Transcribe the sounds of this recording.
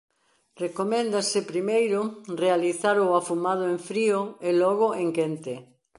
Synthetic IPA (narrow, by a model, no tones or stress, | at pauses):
rekomɛ̃nd̪asɪpɾimejɾʊrealiθaɾʊafumað̞ʊẽɱfɾioelɔɣ̞ʊʔeŋkent̪e